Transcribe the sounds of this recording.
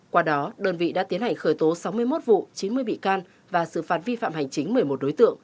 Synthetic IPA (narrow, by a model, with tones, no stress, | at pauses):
kwaː˧ɗɔ˨˦ɗəː˧nvḭ˧˨ɗa̰ː˧˥t̪i˨˦ənha˨˩ŋ̟xəː˧˩jt̪o˨˦sa˨˦wmɨ˧əjmo˦˥t̚vṵ˧˨t͡ɕi˨˦nmɨ˧əjɓḭ˧˨kaː˧n | vaː˨˩sɨ̰˧˨faː˨˩t̚vi˧fa̰ː˧˨mha˨˩jŋ̟t͡ɕï˨˦ŋ̟məː˧˩jmo˨˩t̚ɗo˨˦jt̪ɨ̰˧˨əŋ